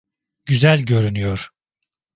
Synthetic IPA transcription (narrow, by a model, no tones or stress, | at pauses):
ɟ̥yzælʲɟø̞ɾynyjoɾ̥